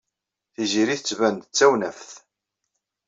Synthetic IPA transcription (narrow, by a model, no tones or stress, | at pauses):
θiziɾiθət͡sːvænd̪ət͡sːæwnæfθ